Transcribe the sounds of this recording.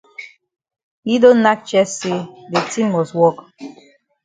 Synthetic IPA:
hi˦do˦nːa˦t͡ʃɛ˦sse˦de˨tʰĩ˦mwɔ˨swɔ˦k

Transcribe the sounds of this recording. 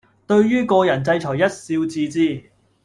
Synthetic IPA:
t̪ɵ˧ɥɥyː˥kɔː˧jɐ˨˩nt͡sɐ˧jt͡sʰɔː˨˩jɐ˥t̚siː˧wt͡siː˧t͡siː˥˩

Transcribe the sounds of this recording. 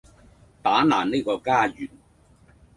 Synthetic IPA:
t̪aː˨˥naː˨˩neː˥˧kɔː˧kaː˥jyː˨˩n

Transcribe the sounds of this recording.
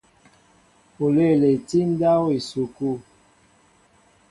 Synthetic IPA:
o˨le˦˨le˨ti˦n˦da˦wi˨su˨ku˦˨

